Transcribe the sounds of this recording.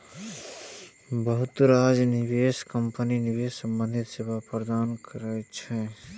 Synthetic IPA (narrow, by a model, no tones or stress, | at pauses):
bəɦʊt̪ɾaːd͡ʒnɪʋeːskəmpəninɪbeːssə̃mbə̃nd̪ʱɪt̪sebapɾəd̪aːnkəɾɛt͡ʃʰɛ